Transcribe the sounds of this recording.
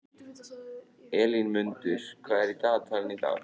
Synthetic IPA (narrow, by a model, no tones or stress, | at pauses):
ɛːlinmʏnt̪ʏɾ̥kʰvaːðɛɾit̪aːðt̪ʰalɪnit̪a̰ːð